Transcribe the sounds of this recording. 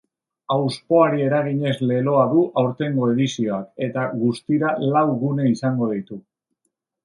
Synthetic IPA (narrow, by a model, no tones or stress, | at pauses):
awspo̞aɾie̞ɾaɣiɲe̞zle̞lo̞aðuʔawɾt̪e̞ŋɡo̞e̞ðisio̞ake̞t̪aɣust̪iɾalawɣune̞isaŋɡo̞ð̞it̪u